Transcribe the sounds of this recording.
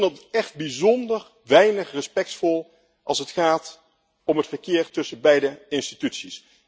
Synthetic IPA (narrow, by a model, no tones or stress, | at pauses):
ndɑtətɛχd̚bizɔndər | ʋɛjnəχrəspɛk̚tfɔlˠ | ʔɑ̰lˠsətχaːt | ɔmɦətfəɹkɪːɹtɵsənbɛjdəɪnstitytsis